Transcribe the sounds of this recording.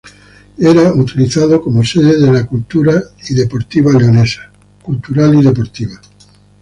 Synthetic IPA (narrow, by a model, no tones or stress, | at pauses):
eɾaut̪iliθað̞okomoseðeðelakult̪uɾaiðepo̞ɾt̪iβaleonesḁ | kult̪uɾaliðepoɾt̪iβa